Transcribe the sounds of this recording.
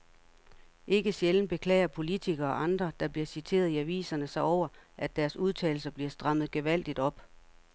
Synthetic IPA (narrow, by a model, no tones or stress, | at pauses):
ʔe̝ɡ̥əɕjeln̩b̥e̝kʰlɛ̰ːɪɐpʰo̝lit͡sʰiɡ̥ɐːʔɑ̈nd̥ʁɐd̥ɑ̈b̥liɐsit͡sʰe̝̰ːɐðˠiæʋḭːsɐnəsɑ̈ɪɒʊ̰ɐʔæd̥ːæɐsuð̞ˠt͡sʰɛ̰ːl̩sɐb̥liɐsd̥ʁɑ̈m̰ð̩ˠɡ̥eʋæl̰d̥id̥ɒ̽b̥